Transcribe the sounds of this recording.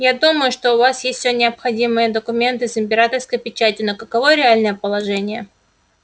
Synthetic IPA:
jad̪uməjʊʂt̪o̞ʊvasjesʲt̪ʲsʲnʲɪɐpxɐdʲimɨjəd̪əkʊmʲe̞nt̪ɨzɨmʲpʲɪɾat̪ərskəjpʲɪt͡ɕætʲɪnəkəkɐvo̞ɾʲɪalʲnəjəpəlˠɐʐɛnʲɪjə

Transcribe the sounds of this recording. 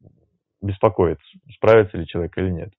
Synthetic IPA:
bʲɪspɐkojɪt̪sə̥spɾavʲɪt̪səlʲɪt͡ɕɪlˠɐvʲekəilʲɪnʲe̞t̪

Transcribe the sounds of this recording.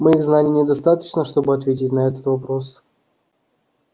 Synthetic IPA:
mɨiɣznalʲɪnʲɪd̪ɐst̪at̪ə̥t͡ɕnəʂt̪o̞bɨɐt̪vʲetʲɪtʲnɐɛt̪ət̪vɐpɾo̞s

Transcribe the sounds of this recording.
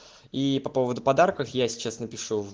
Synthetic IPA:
ipɐpo̞vəd̪ʊpɐd̪arkəfjasʲɪ̥t͡ɕasnəpʲɪʂuv

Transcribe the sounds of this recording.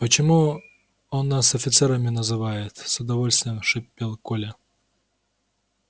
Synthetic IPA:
pət͡ɕɪmu | onːasɐfʲɪt̪sɛɾəmʲɪnəzɨvajɪt̪sʊd̪ɐvolʲst̪vʲɪjəmʂɨpʲːelˠkolʲə

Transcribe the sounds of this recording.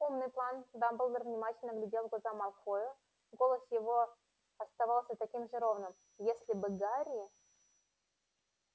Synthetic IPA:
umnɨjplˠand̪ambɨlˠd̪ərvnʲɪmatʲɪlʲnəɡlʲɪdʲelˠvɡlˠɐzamɐlˠxojʊ | ɡo̞lˠəsjɪvo | ɐst̪avalˠsʲət̪ɐkʲimʐɨɾo̞vnɨm | jesʲlʲɪbɨɡaɾʲɪɪ

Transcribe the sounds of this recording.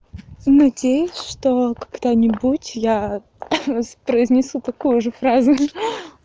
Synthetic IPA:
nɐdʲejʊsʲʂt̪okɐɡd̪anʲɪbutʲja | pɾəɪzʲnʲɪsut̪ɐkujʊʐɨfɾazʊ

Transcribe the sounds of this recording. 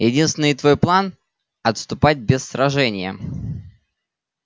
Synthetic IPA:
jɪdʲinst̪vʲɪnːət̪vo̞jplˠan | ɐt̪st̪ʊpat̚ʲbʲɪsːɾɐʐɛnʲɪjə̰

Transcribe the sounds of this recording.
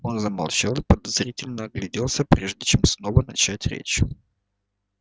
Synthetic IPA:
o̞nzəmɐ̰lˠt͡ɕalˠɨpəd̪ɐzɾʲitʲɪlʲnəːɡlʲɪdʲelˠsʲəpɾʲʔeʐdʲɪt͡ɕemsno̞vənɐt͡ɕætʲɾʲḛt͡ɕ

